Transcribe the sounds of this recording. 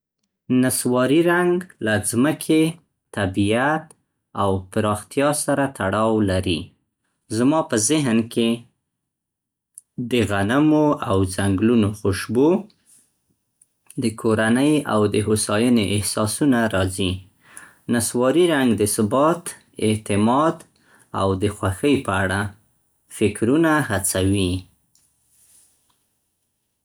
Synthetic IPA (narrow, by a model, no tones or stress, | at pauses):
naswɑɾiɾaŋɡlazməkʰe | t̪abiat̪ | awpəɾɑxt̪jɑsaɾat̪ʰaɽɑwlaɾi | zmɑpəzɪɦnke | d̪əɣanamoawzaŋɡlunoxʊʃbo | d̪əkʰoɾanəja̰wd̪əɦosɑjəneʔɪhsɑsunaɾɑzi | naswɑɾiɾaŋɡd̪əsʊbɑt̪ | ɪt̪ɪmɑd̪ | a̰wd̪əxwaxəjpəaɽa | fɪkɾunahat͡sawi